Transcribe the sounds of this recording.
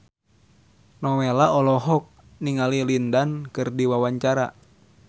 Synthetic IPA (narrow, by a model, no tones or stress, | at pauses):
nɔwelaɔlɔɦɔk̚ | niŋalilindankɨrdiwawaɲt͡ʃaɾa̰